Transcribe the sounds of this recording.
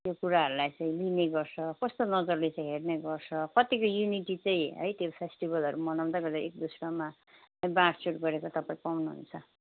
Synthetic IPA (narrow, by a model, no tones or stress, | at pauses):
t̪jokuɾaɦʌɾulajt͡sʌĩlineɡʌrt͡sʰʌkʌst̪onʌd͡zʌrlet͡saĩɦerneɡʌrt͡sʰʌkʌt̪ikojuniʈit͡saĩɦʌ̰jt̪jopʰesʈibʌlɦʌɾumʌnaw̃d̪aɡʌd̪aek̚d̪usrʌma | ʌj̃baʈsuʈɡʌɾekot̪ʌpãĩpawnuɦṵnt͡sʰʌ